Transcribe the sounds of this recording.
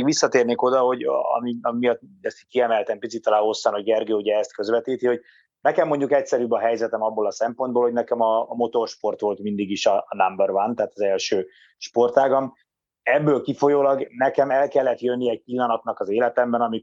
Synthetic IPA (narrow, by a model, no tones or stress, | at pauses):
ɡʋisːɒt̪eːrneːko̞d̪ɒho̞ɟɒ̰miɒmimijɒt̪ːd̪ɛsi̥kiɛmɛlt̪ɛmpitsit̪ːɒlaːho̞sːɒnoɟɡɛrɡøːuɟɛːst̪kø̞zʋɛt̪iːt̪iho̞ɟ | nɛkɛmːo̞ɲɟukɛcsɛɾybɒɦɛjzɛt̪ɛmɒbːoːlɒsɛmpo̞nd̪boːlhonɛkɛmɒmo̞t̪o̞rʃpo̞rt̪ʋo̞lt̪mind̪iɡiʃɒnambɛrvant̪aːt̪ɒzɛlʃøː | ʃpo̞rt̪aːɡɒm | ɛbːøːlkifo̞joːlɒɡnɛkɛmɛlkɛlːɛt̪jønːiɛc̚pilːɒnɒt̪nɒkɒzeːlɛt̪ɛmbɛnɒmi